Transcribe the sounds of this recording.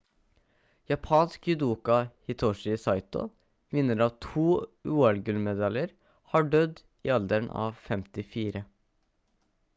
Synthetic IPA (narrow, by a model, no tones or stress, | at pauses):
jɑpʰɑːnskjʉd̪uːkɑhɪt̪ʰɔʂɪsɑɪt̪ɔ̰ | ʋɪnːəɾɑːʋt̪ʰuːʉːɑlɡʉlmɛd̪ɑljəɾ | hɑːɖœd̪ | ḭːɑld̪əɳɑ̰ːʋfɛmt̪ɪfiːɾə